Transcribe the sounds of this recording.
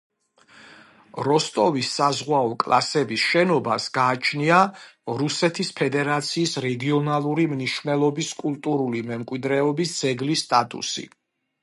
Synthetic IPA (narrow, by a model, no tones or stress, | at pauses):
ɾɔst̪ʼɔvisːazʁwaɔkʼlˠa̰sɛbisʃɛnɔbasɡaːt͡ʃʰniaɾusɛt̪ʰispʰɛd̪ɛɾat̪sʰiːsɾɛɡiɔnalˠuɾimniʃvnɛlˠɔbiskʼult̪ʼuɾulimɛmkʼwid̪ɾɛɔbisd̪z̥ɛɡlist̪ʼat̪ʼṵsḭ